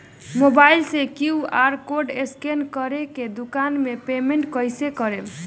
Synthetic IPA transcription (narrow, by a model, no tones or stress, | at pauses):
mobailsekiuaɾkoɾɖeskenkʌɾeked̪ukanmepemeɳʈkʌjsekʌɾeb